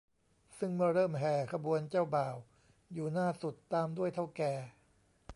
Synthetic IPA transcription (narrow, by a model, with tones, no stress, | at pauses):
sɯ˥˩ŋmɯ˥˩ɐɾɤː˥˩mɦɛː˧˩kʰa˧bu˧ənt͡ɕaː˥˩wbaː˨˩w | juː˨˩naː˥˩su˨˩t̪ːaː˧mdu˥˩əjt̪ʰa˥˩wkɛː˨˧˩